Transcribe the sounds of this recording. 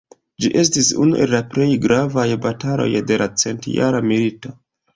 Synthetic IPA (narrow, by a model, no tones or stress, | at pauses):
d͡ʒiʔe̞s̬tisṵnuʔe̞lːaple̞jɡɾavajbatalo̞̰jde̞lat͡se̞ntja̰ɾamilito̞